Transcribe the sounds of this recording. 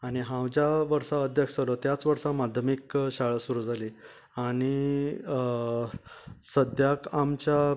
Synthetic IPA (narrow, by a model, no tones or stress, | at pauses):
aɽ̃iɦãwd͡ʑjaʋəɾsaəd̪ʱjəkd͡zalɔt̪jat͡sʋəɾsamad̪ʱjəmikɕaɭəsuɾuːd͡zʱali | aɽ̃i | səd̪ʱjakamt͡ɕja